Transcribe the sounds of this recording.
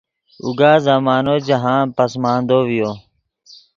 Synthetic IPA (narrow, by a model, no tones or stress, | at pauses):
ṵɡaːzaːmaːnoːd͡ʒəɦãːpəsmãːnd̪oːʋɪjoː